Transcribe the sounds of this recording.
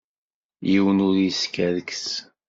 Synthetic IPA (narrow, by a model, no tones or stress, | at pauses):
jiwənʊɾjiskæðəks